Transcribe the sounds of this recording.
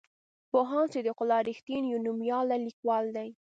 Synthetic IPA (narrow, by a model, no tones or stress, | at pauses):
poɦɑnt͡ʃed̪əqʊlɑɾɪxt̪injunumjɑlalikwɑld̪aj